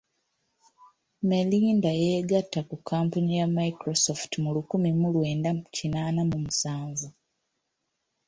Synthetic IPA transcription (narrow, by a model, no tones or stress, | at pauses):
meliːndajeːɡatːakukʰampaɲijamaikɾosoftimulukumimulwe̞ːndacinaːnamumusaːɱvu